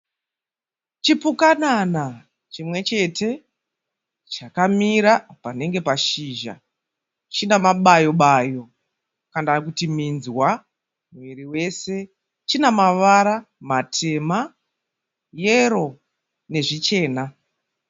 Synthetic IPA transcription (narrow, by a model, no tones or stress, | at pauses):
t͡ʃipukanana | t͡ʃimwe̞t͡ʃe̞te̞ | t͡ʃakamiɾapane̞ŋɡe̞paʃiʒa̰ | t͡ʃinamaɓajo̞ɓajo̞ | kandakutiminzwa | mwiɾiwe̞se̞ | t͡ʃinamaʋaɾamatʰe̞ma | jeɾo̞ | ne̞ʐit͡ʃe̞ːna